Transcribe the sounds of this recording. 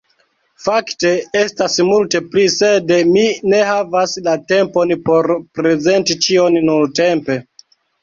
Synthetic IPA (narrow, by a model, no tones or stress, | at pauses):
fakte̞e̞stasmulte̞plisedmine̞havaslate̞mpo̞npo̞ɾpɾe̞ze̞ntit͡ʃio̞nnulte̞mpe̞